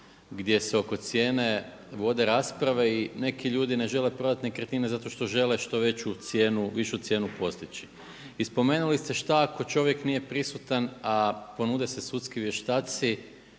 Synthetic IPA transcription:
ɡd̪je̞seo̞ko̞t̪sje̞ːne̞ | ʋo̞d̪e̞ɾaːspɾaʋe̞ine̞kʰiʎuːd̪ine̞ʒe̞le̞pɾo̞d̪at̪nekɾet̪inezat̪o̞ʃt̪o̞ʒe̞le̞ʃt̪o̞ʋe̞t͡ɕut̪sjeːnuʋiʃut̪sje̞ːnupo̞st̪it͡ʃi̥ | ispo̞me̞ːnulist̪e̞ʃt̪aako̞t͡ʃo̞ʋje̞knije̞pɾisut̪anapo̞nuːd̪ese̞sut̪skiʋje̞ʃt̪aːt̪si

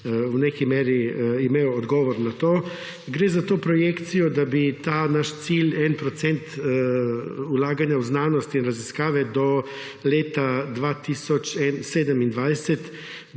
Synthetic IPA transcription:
wnekimeːɾiimejɔːd̪ɡɔːʋɔɾnat̪oː | ɡɾeːzat̪oːpɾɔjekt̪sijɔd̪abit̪aːnaʃt̪siːlɛnpɾɔt̪sɛnt̪ | ulaːɡanjawznaːnɔst̪iinɾaziskaːʋɛd̪ɔ | leːt̪ad̪ʋaːt̪iːsɔt͡ʃɛnseːd̪əmind̪ʋajsɛt̪

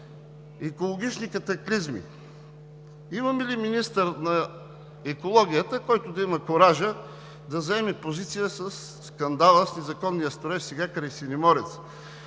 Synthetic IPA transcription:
ɛkolˠoɡ̟it͡ʃnikɐt̪ɐklizmḭ | imɐmɛliminist̪əɾnɐ | ɛkolˠɔɡʲijət̪əkɔjt̪ʊd̪ɐimɐkoɾaʒə | d̪ɐzɐɛmɛpozit̪sijəsəsːkɐnd̪alˠəsnɛzɐkɔnːijəst̪ɾoɛsɛɡakɾɐjsinimɔɾɛt̪s

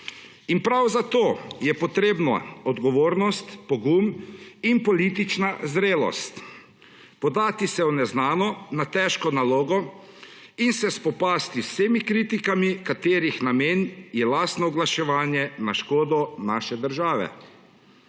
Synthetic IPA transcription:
inpɾawzat̪oːjɛpɔt̪ɾeːbnɔɔd̪ɡɔʋoːɾnɔst̪pɔɡuminpɔlit̪it͡ʃnazɾeːlɔ̰st̪ | pɔd̪aːt̪isɛwnɛznaːnɔnat̪ɛʃkɔnaloːɡɔ | insɛspɔpaːst̪iseːmikɾiːt̪ikamikat̪eːɾixnameːnjɛlast̪nɔɔɡlaʃɛʋaːnjɛnaʃkoːd̪ɔnaːʃɛd̪əɾʒaːʋɛ̰

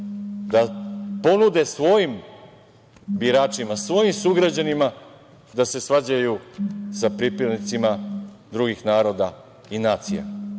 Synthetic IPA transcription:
d̪apo̞nud̪e̞sʋo̞jim | biɾaːt͡ʃimasʋo̞jimsuɡɾad͡ʑanima | d̪ase̞sʋad͡ʑajusapɾipɾed̪nit̪sima | d̪ɾuɡixnaːɾo̞d̪a | inaːt̪sḭja̰

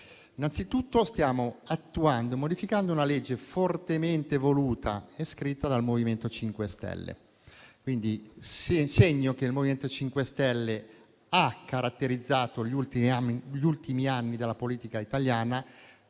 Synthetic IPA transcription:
inant̪sit̪ut̪ːost̪jaːmoat̪ːuand̪oemod̪ifikand̪ounaled͡ʒːefort̪ement̪evoluːt̪ʰa̰eskɾit̪ːad̪almoviment̪ot͡ʃiŋkwest̪ɛ̰lːḛ | kwind̪i | seɲːok̟eilmoviment̪ot͡ʃiŋkwest̪ɛlːe | akːaɾat̪ːeɾid̪zːaːt̪oʎult̪iʎult̪imianːid̪elːapoliːt̪ikait̪aljaːna

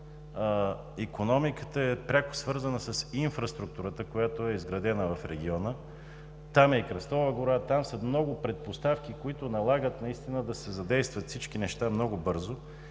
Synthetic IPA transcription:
ikonɔmikət̪əɛpɾʲakʊ̥svɤɾzənəsəsinfɾɐst̪ɾuk̚t̪uɾət̪əkojat̪oɛizɡɾɐd̪ɛnəvɐfɾɛɡʲiɔnə | t̪amɛikɾɐst̪ɔvəɡoɾat̪amsəmnɔɡʊpɾɛt̪̚post̪afk̟ikoit̪ʊnɐlˠaɡət̪nɐist̪inəd̪ɐsɛzɐd̪ɛjst̪vɐt̪fsit͡ʃk̟inɛʃt̪amnɔɡʊbɤɾzʊ

